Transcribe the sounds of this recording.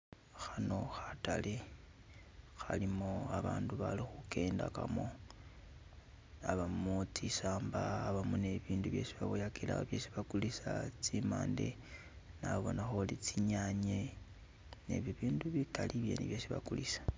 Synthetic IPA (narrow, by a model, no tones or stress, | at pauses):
xano̞xatale | xalimoaβaːnduβalixuke̞ːndakamo | aβamut͡sisaːmbaːβamone̞βiːnduβje̞siβaβojakʰela̰βjesiβakulisat͡sima̰ːnde̞̰ | naβo̞naxolit͡siɲaɲe | nḛβiβiːnduβikalʔiβje̞̰niβjesiβakulisḁ